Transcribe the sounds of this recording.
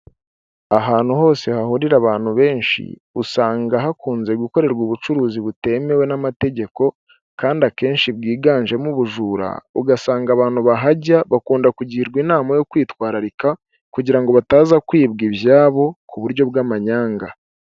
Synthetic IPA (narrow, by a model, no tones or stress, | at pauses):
aɦaːn̥huho̞ːse̞hahuɾiɾaβaːn̥huβe̞ːnʃḭ | usaːŋɡaɦakuːnze̞ɡwiko̞ɾe̞ɾɡuβut͡ʃuɾuːziβute̞me̞we̞namate̞ɟe̞ko̞ | kaːndake̞ːnʃibɡiːɡaːnʒe̞muβuʒuːɾa̰uɡasaːŋɡaβaːnhuβaɦaɟaβakuːndakuɟihiɾɡwinaːmajo̞kwiːtwaːɾaɾika | kuɟiɾaŋɡo̞βataːzakwiːbɡiβjaːβo̞kʰuβuɾɟo̞bɡaːmaɲaːŋɡa